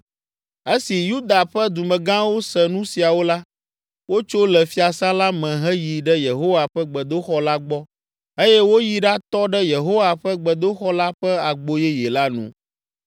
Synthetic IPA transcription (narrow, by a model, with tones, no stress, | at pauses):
e˦si˨ju˦d̪a˨ɸɛ˦d̪u˨mɛ̃˨ɡã˦wo˦sɛ˨nũ˦si˨a˨wo˦la˦ | wo˦t͡ʃo˦lɛ˨fi˦a˨sã˦la˦mɛ̃˨ɦɛ˦ji˨ɖɛ˦je˨ɦo˦wa˨ɸɛ˦ɡ͡bɛ˨d̪o˦xɔ˦la˦ɡ͡bɔ˦ | e˦jɛ˦wo˦ji˦ɖa˦t̪ɔ˦ɖɛ˦je˨ɦo˦wa˨ɸə˦ɡ͡bɛ˨d̪o˦xɔ˦la˦ɸɛ˦a˨ɡ͡bo˦jɛ˦je˨la˦nṵ̃˦